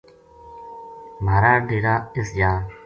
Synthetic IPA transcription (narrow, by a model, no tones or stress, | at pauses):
maːɾaːɖeːɽaːɪsjaː